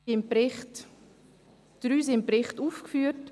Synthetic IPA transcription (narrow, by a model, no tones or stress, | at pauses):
impɪχt | d̥ɾyːsɪmpɾɪχtuːfkfyːt